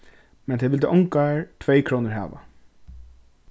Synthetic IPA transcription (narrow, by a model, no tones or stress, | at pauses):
mɛnt̪ʰɛjɪlt̪ɪʔɔŋkaɹt̪ʰveːjkʰɾoːnəɹɦæ̰ːʋa̰